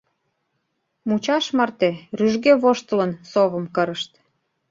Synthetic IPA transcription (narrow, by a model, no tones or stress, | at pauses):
mut͡ɕɑʃmɑrt̪eryʒɡeβoʃt̪ə̆lə̆nsoβə̆mkɤ̆ɾə̆ʃt̪